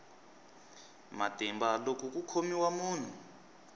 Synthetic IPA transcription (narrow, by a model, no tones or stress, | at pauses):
matɛmbalok̬ʼuk̬ʼukʰomiwamuːn̤u